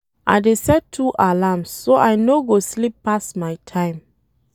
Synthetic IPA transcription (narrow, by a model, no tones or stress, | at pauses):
ʔa̰ɪdesɛtʰuʔalamsːoʔajnoɡoslipːastmaɪtʰãɪ̃m